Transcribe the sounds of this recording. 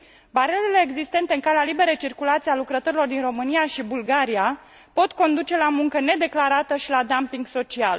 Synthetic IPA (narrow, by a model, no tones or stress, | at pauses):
baɾelele̞ːɡzist̪e̞nt̪e̞ɨŋkalealibe̞ɾejt͡ʃirkulat̪sialukɾət̪o̞ɾilo̞rd̪inro̞mɨnijaʃibulɡaɾija | po̞t̪ko̞nd̪ut͡ʃe̞lamuŋkəne̞d̪e̞klaɾat̪əʃilad̪ampiŋɡso̞t͡ʃial